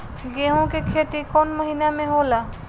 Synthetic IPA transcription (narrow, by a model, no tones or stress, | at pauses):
ɡeɦõkekʰet̪ikɔnməɦinamẽɦola